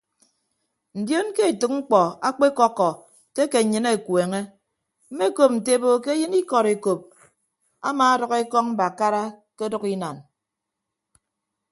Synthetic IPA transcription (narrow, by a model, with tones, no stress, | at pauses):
n̩˨djo˦nke˦e˨tɨ˨k̚ŋ͡m̩˦k͡pɔ˨a˦k͡pe˦kɔ˦kːɔ˨ | te˦ke˨ɲɨ˦ne˨kweː˨ŋe˦ | m̩˦me˦˨ko˨p̚n̩˨te˦bo˨ke˦jɨ˦ni˦kɔ˨ɾe˨ko˨p̚ | a̰˦ma˨a˦dɔ˨ke˦kɔ˦ŋm̩˦ba˨ka˦ɾa˦ke˦dɔ˦ki˦na˨n